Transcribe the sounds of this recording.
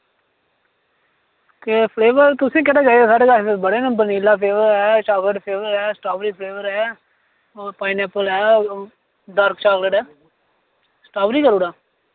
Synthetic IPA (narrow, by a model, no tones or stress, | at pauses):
t̪eːpʰleːʋəɾt̪ʊsẽːkeɽaːd͡ʒaːieːsaːɖeːɡəbəɽeːnə̃bəniːlaːpʰeːʋəɾɛːt͡ʃaːɡəʈpʰeːʋəɾɛːsʈaːbɾiːpʰleːʋəɾɛː | paːinɛːpəlɦɛː | ɖəːɾkt͡ʃaːɡləʈɛː | sʈaːbɾiːkəɾuːɽaː